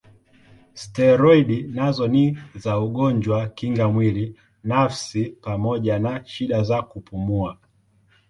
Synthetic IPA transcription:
stɛɾɔiɗinazɔnizauɠɔɲd͡ʒwakiŋɡamwili | nafsipamɔʄanaʃiɗazakupumua

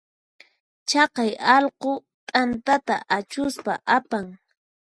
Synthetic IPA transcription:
t͡ʃɑqɑjɑlqo | t̪ʼant̪at̪a̰ʔat͡ʃʊspa̰ʔapaŋ

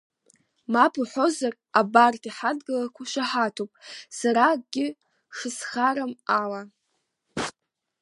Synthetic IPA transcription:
mapʰuħo̞zar | abartʰʼiħadɡalakʷʰaʃʷaħatʰopʼsaɾaɡʲɪ | ʂɨsχaɾamala

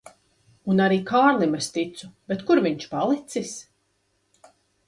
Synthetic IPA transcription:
unaɾiːkʰaːɾlˠimɛst̪it̪sub̥et̪kuɾviɲt͡ʃpalˠit̪sis

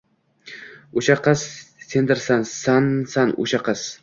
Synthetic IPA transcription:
oʃaqɑsːend̪ɪɾsansansano̰ʃaqʰɑs

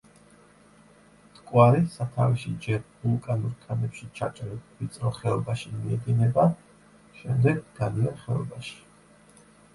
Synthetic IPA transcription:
t̪ʼkʼwaɾisat̪ʰaviʃid͡ʒɛɾvulˠkʼanuɾkʼanɛpʃit͡ʃʰa̰t͡ʃʼɾɛvit̪sʼɾɔχɛɔbaʃimiɛd̪inɛba | ʃɛmd̪ɛɡɡad̪iɛnχɛɔ̰baʃi̥

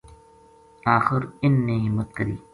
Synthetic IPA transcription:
aːxɪɾɪnːẽːɦɪmːət̪̚kəɾḭː

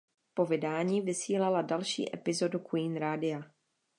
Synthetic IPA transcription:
po̞vɪdaːɲiːvɪsiːlaladalʃḭːʔɛ̰pɪzo̞dukuiːnɾaːdɪa

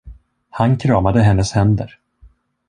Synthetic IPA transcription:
hankʰɾɑːmad̪əɦɛnːəshɛnd̪ə̰ɾ

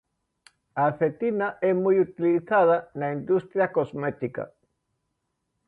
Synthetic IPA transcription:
aθet̪inaʔɛmujut̪iliθaðanaind̪ust̪ɾjakozmet̪ika̰

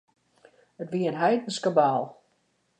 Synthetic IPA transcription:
ətʋiəənɦɛjdn̩skəbaːlˠ

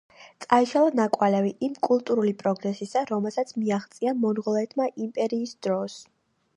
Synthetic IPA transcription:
t̪sʼaiʃalˠanakʼwalɛviʔimkʼulˠt̪ʼuɾulipʼɾɔɡnɛsisaɾɔmɛlˠsat̪sʰmiaχt̪sʼiamɔnʁɔlˠɛt̪ʰmaʔimpʼɛɾiːsd̪ɾɔs

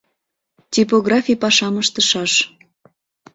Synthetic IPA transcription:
tʲipoɣrɑfʲijpɑʃɑməʃt̪əʃɑʃ

